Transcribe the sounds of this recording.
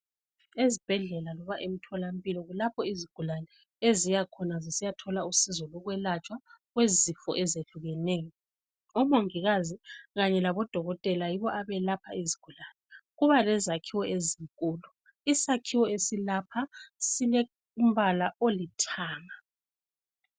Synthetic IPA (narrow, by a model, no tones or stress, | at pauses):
ezib̥ʱɛɮɛlalɔβaʔem̩tʰɔlam̩pʼilɔɣulapʰɔiziɡ̥ʱulanɛ | ezijakʰɔnazisijatʰɔlausizɔlɔɣwɛlat͡ʃʼwaɣwezifɔ̰ʔɛzeɬuɣɛneːjɔ | ɔmoŋiɣaziɣaɲɛlaβɔd̥ʱɔɣɔtʼɛlajiβɔʔaβɛlapʰaiziɡ̥ʱulanɛɣuβalɛzakʰiwɔezik̬ʼuːlu | isakʰiwɔesilapʰasilɛ | um̩βalaʔolitʰaːŋa